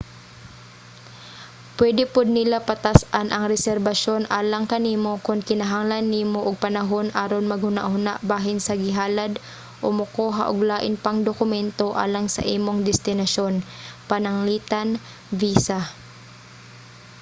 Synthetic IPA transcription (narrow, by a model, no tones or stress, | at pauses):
pwɛd̪ɪpʊd̪̚nɪlapɐt̪asʔanʔɐŋɾɛsɛɾbɐʃo̞nʔaːlɐŋkɐniːmo̞kʊnkɪnɐɦaŋlɐnːiːmoʔʊɡ̚pɐnɐɦonʔaːɾonmɐɡ̚hʊna̰ʔhʊna̰ʔbaːɦɪnsɐɡɪɦaːlad̪ | ʔʊmʊkoːɦa̰ʔʊɡlaːʔɪnpɐŋd̪okʊmɛnt̪oʔa̰ːlɐŋsɐ̰ʔiːmoŋd̪ɛst̪ɪnɐʃo̞npɐnɐŋliːt̪an | viːsa